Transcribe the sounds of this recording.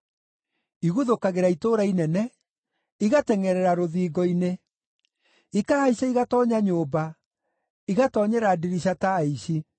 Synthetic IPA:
iɣuðokaɣeɾaitoɾainɛnɛ | iɣatɛŋɛɾɛɾaɾoðiːɡɔine | ikahaiɕaiɣatɔɲaɲoːba | iɣatɔɲɛɾadiɾiɕ̬ataeiɕi

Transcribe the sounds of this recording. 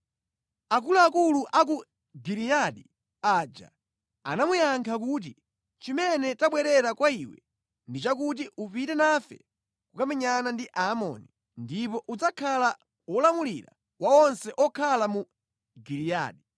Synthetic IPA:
akuluakuluʔak̬u | ɡiɾijaɗi | aːd͡ʒa̰ | a̰namujaŋkʰak̬ut̬i | t͡ʃimɛnɛtaɓwɛɾɛɾakwaiwɛ̰ | ndit͡ʃakut̬iʔupitɛnafɛ̰ | kukamɛɲanandiʔamɔ̰ni | ndipɔʔud͡zakʰala | ɔlamuliɾa̰ | waɔnsɛʔɔkʰalamu | ɡiɾija̰ːɗi

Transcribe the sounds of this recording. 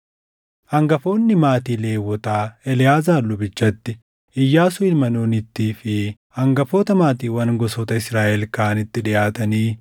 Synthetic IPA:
ʔɐŋɡɐfo̞ːnːɪmaːt̪iːle̞ːwːɔt̪aːɛlɪjaːzaːlːʊbɪt͡ʃːɐt̪ːɪ | ʔɪjːaːsʊɪlmɐnoːnɪt̪ːiːfɪ | hɐŋɡɐfoːt̪ɐmaːt̪iːwɐnɡɔsoːt̪ɐɪsɾaːʔɛlkaːnɪt̪ːɪᶑɪaːt̪ɐniː

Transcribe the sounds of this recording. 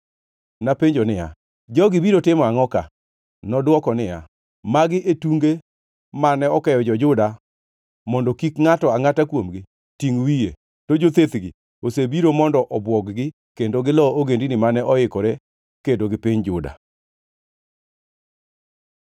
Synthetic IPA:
napeɲd͡ʒonɪja̰ | d͡ʒɔɡɪbiɾotɪmɔaŋɔka̰ | nɔdwɔkɔnɪja̰ | maɡɪʔetuŋɡe | manɛɔkɛjɔd͡ʒɔd͡ʒʊda | mɔndɔkikŋatɔaŋatakwomɡɪ | tiŋwije | tod͡ʒot̪et̪ɡɪ | osebiɾomɔndɔʔɔbwɔkɡɪ | kendoɡɪlɔoɡendinɪmanɛʔɔɪkɔɾe | kedoɡɪpɪɲd͡ʒʊda̰

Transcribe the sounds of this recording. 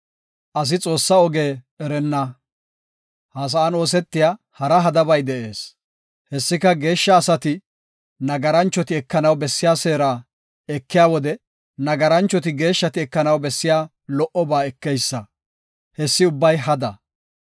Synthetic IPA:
ʔɐs̬ɪt͡sʼo̞ːsːɐɔɡe̞ː | ɛɾɛnːɐ | haːs̬ɐːno̞ːs̬ɛt̪ːɪja | hɐɾɐɦɐd̪ɐbɐjd̪ɛʔe̞ːs | hɛsːɪkɐɡe̞ːʃːɐːsɐt̪ɪ | nɐɡɐɾɐnt͡ʃːɔt̪ɪɛkːɐnɐwbɛsːɪjaːseːɾaː | ɛkːɪjaːwɔd̪ɛ | nɐɡɐɾɐnt͡ʃːɔt̪ɪɡe̞ːʃːɐt̪ɪɛkːɐnɐwbɛsːɪjaː | lɔʔɔbaːɛkːɛjsːɐ | hɛsːɪʊbːɐjɦɐd̪ɐ

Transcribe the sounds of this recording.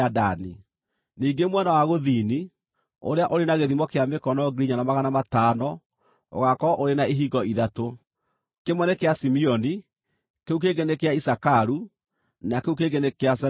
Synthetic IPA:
adani | niːɡemwɛnawaɣoðini | o̰ɾeaʔoɾenaɣeðimɔkeamekɔnɔɡiɾiɲanamaɣanamatanɔ | o̰ɣakɔʔoɾenaeɦiɡɔiðato | kemwɛnekeasimiɔni | keuk̬eɡenekeaisakaɾu | nakeuk̬eɡenekeasɛ

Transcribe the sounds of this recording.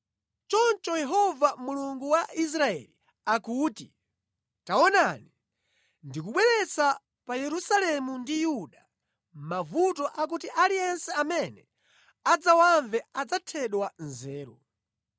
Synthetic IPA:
t͡ʃɔnt͡ʃɔjɛɦɔvamuluŋɡuwais̬ɾaɛ̰li | akuːti | taɔnani | ndikuɓwɛɾɛt͡sa | pajɛɾusalɛmundijuɗa | mavutɔʔak̬utiʔalijɛnsɛamɛnɛ | ad͡zawaɱvɛad͡zatʰɛɗwanzɛːɾɔ

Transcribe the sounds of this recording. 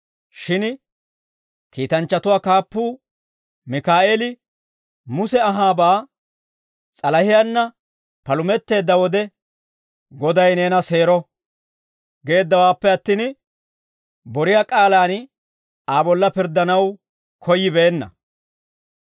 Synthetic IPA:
ʃɪn | kiːt̪ɐnt͡ʃːɐt̪ʊwaːkaːpːuː | mɪkaːʔeːlɪ | mʊsɛɐɦaːbaː | t͡sʼɐlɐhɪjanːɐ | pɐlʊmɛt̪ːe̞ːd̪ːɐwɔd̪ɛ | ɡɔd̪ɐjne̞ːnɐse̞ːɾɔ | ɡe̞ːd̪ːɐwaːpːɛɐt̪ːiːn | bɔɾɪjaːkʼaːlaːn | aːbɔlːɐpɪɾd̪ːɐnɐw | kʰɔjːɪbeːnːɐ̰

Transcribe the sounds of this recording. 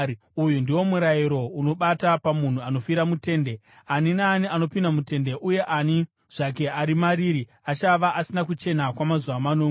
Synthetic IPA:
ujundiwo̞muɾajiɾo̞uno̞ɓatapamun̤uano̞fiɾamute̞ːnde̞ | aninaːniano̞pindamute̞nde̞ʔuje̞ʔani | ʐ̥ak̬e̞ʔaɾimaɾiːɾi | at͡ʃaʋaʔasinakut͡ʃe̞nakwamazuʋamanoːŋ

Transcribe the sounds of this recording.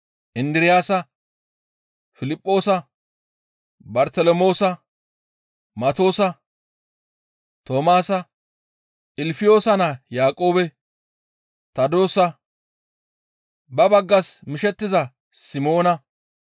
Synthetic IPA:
ʔɪnd̪ɾɪjaːsɐ | fɪlɪpʼːo̞ːsɐ | bɐɾt̪ɛlɔmo̞ːsɐ | mɐt̪o̞ːsɐ | t̪o̞ːmaːsɐ | ʔɪlfɪjo̞ːsɐnɐjaːkʼo̞ːbɛ | t̪ɐd̪o̞ːsɐ | bɐbɐɡːɐsmɪʃɛt̪ːɪzɐ | sɪmo̞ːnɐ

